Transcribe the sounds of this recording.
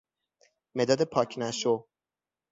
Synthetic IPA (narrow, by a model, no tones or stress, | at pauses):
med̪ɒːd̪epʰɒːcʰnæʃo